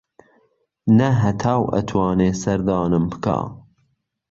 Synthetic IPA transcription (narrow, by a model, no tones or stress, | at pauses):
nɐɦɐt̪ʰɑːwʔɐ̰t̪ʰwɑːneːsɐɾd̪ɑːnɨmbɨ̥kʰɑ̰ː